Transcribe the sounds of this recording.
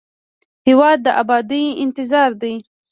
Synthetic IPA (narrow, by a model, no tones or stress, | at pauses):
hewɑd̪̚ːəʔabɑd̪iɪnt̪ɪzɑɾd̪ij